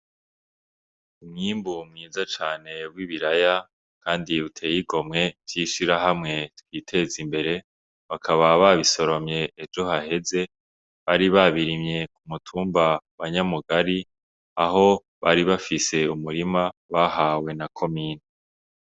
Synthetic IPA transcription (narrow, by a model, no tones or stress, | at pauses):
umŋiːmbumŋiːzat͡ʃaːne̞βwiβiɾaja | kʰaːndiβutʰe̞ːjiɡo̞mŋe̞v̥jiʃiɾaɦamŋe̞twiːtʰe̞zimbe̞ɾe̞ | βakʰaβaβaβiso̞ɾo̞mɲe̞ʔːd͡ʒo̞ɦahe̞ze̞ | βaɾiβaβiɾimɲe̞kumutʰuːmbaβaɲamuɡaɾi | aɦo̞ | βaɾiβafise̞umuɾimaβahawe̞nakʰo̞miːne